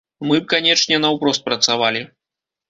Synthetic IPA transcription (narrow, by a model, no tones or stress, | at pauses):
mɨb̚kanʲɛt͡ʂnʲɛnɐwpɾɔst̪̚pɾɐt̪savalʲi